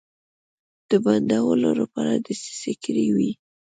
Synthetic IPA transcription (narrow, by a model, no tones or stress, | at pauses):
d̪̥əband̪awəlolapɑɾad̪əsi̥sɪkɾiwi